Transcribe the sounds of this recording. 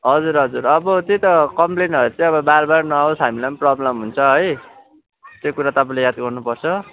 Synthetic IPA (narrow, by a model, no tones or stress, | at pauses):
ɦʌd͡zuɾɦʌd͡zuɾʌbʌt͡sit̪ʌkʌmplenʌɾut͡sʌ̃ĩʌβʌbarbarnʌaosɦamilanprʌblʌmɦunt͡sʰʌɦʌj | t̪jokuɾat̪ʌpãlejad̪ɡʌrnupʌrt͡sʰʌ